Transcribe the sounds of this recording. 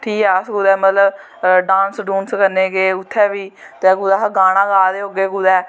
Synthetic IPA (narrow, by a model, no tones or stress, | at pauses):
ʈʰiːkɛːsɡuːd̪ɛːmət̪ləb | ɖãːnsɖuːnskəɾneːɡeːʊt̪ʰːɛːbiː | t̪eːɡud̪aːɡaːɽ̃ãːɡaːd̪eːɦoːɡeːɡuːd̪ɛː